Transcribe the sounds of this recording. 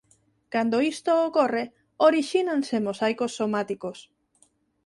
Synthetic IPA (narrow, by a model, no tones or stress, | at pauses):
kand̪oist̪oːkore | oɾiʃinansemosajkosːomat̪ikos